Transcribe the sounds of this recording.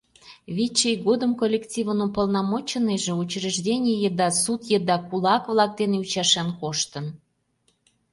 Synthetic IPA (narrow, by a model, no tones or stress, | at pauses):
βʲit͡ɕːejɣod̪əmkolʲːektʲivənupəlˠnɑmot͡ɕəneʒĕut͡ɕriʒdʲenʲijəd̪ɑsut̪jəd̪ɑkulɑkvlɑk̚d̪eneut͡ɕɑʃɑnkoʃt̪ən